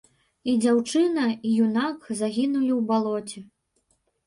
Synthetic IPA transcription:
id͡zʲawt͡ʂɨnɐijunakzaɣʲinulʲiwbalˠɔt͡sʲɛ

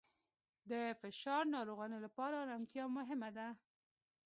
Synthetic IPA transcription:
d̪əfɪʃɑɾnɑɾoɣɑnelapɑɾaɾɑnt̪jɑmʊɦɪmad̪a

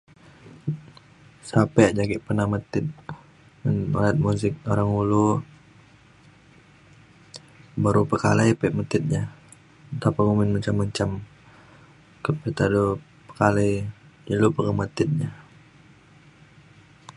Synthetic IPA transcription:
sapɛʔd͡ʒaɡiʔpənahmət̪ɪt̪̚ | ano̰lɛt̪̚musɪk̚oɾaŋulu | baɾupəkalajpɛʔmət̪ɪt̪̚ɲa | t̪apəŋumɪnməɲt͡ʃamːəɲt͡ʃam | kət̚pit̪ado | pə̥kaləjd͡ʒəlupəŋəmət̪ɪt̪̚ɲa

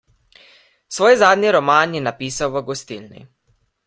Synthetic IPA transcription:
sʋoːjzaːd̪niɾɔmaːnjɛnapiːsawʋəɡɔst̪ilnḭ

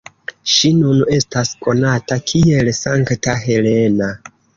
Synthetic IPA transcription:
ʃinune̞stasko̞natakʰie̞lsaŋktaɦe̞le̞na

